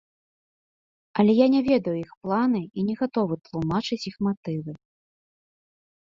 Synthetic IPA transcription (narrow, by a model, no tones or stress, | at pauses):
ɐlʲɛjanʲɛvʲɛd̪ɐjuixplˠanɨinʲɛɣat̪ɔvɨt̪lˠumat͡ʂɨt͡sʲixmat̪ɨvɨ